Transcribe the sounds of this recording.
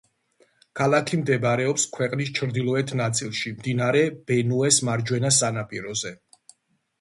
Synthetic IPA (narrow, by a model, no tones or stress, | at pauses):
kʰalˠakʰimd̪ɛbaɾɛɔpskʰwɛqʼnis̬t͡ʃʰɾd̪ilˠɔɛt̪ʰnat̪sʼilˠʃimd̪inaɾɛb̥ɛnuɛsmaɾd͡ʒwɛnas̬anapʼiɾɔzɛ